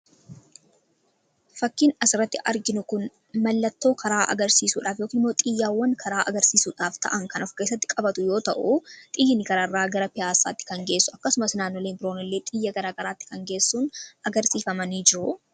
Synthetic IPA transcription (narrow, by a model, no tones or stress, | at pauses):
fɐkːiːnɐsɪɾɐt̪ːɪʔɐɾɡɪnʊkʊn | mɐlːɐt̪ːo̞ːkʰɐɾaːʔɐ̰ɡɐɾsiːsuːᶑaːfjokiːnɪmːo̞ːt̪ʼɪjːaːwːɐŋkʰɐɾaːʔɐ̰ɡɐɾsiːsuːᶑaːft̪ɐ̰ʔɐŋkɐnɔfke̞ːsːɐt̪ːɪ̥kʼɐbɐt̪ʊjo̞ːt̪ɐʔut̪ʼɪjːɪnɪɡɐɾaːrːaːɡɐɾɐpɪjaːsːa̰ːt̪ːɪ̥kɐŋɡe̞ːsːʊɐkːɐsʊmɐsnaːnːoleːmbɪɾoːnɪlːe̞ːt̪ʼɪjːɐɡɐɾaːɡɐɾaːt̪ːɪ̥kɐŋɡe̞ːsːuːnɐɡɐɾsiːfɐmɐniːd͡ʒɪɾʊ